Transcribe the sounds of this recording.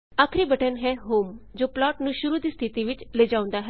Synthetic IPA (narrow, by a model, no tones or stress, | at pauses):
aːkʰɾiːbəʈənɦɛːɦoːmd͡ʒoːplaːʈnũːʃʊɾuːd̪iːst̪ʰɪt̪iːʋɪt͡ʃleːd͡ʒaːʊ̃nd̪aːɦɛː